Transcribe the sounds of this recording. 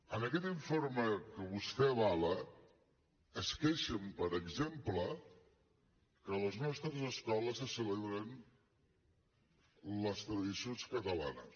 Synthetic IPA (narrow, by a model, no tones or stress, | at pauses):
ənəkɛt̪iɱfoɾməkəβust̪ɛβalə | əskɛʃəmpəɾəɡzemplə | kələznɔst̪ɾəzəskɔləsəsəleβɾən | ləst̪ɾəðisionskət̪əla̰nəs